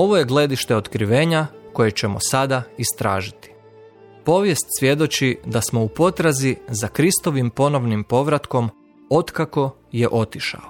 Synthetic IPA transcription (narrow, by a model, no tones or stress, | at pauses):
o̞ʋo̞je̞ɡle̞d̪iʃt̪e̞ot̪kɾiʋe̞ːɲako̞je̞t͡ɕe̞mosad̪aist̪ɾa̰ːʒit̪i̥ | po̞ʋje̞st̪sʋje̞d̪o̞t͡ɕid̪asmo̞upo̞t̪ɾazizakɾist̪o̞ʋimpo̞no̞ʋnimpo̞ʋɾat̪ko̞m | o̞t̪kako̞ | je̞ʔo̞t̪iʃa̰o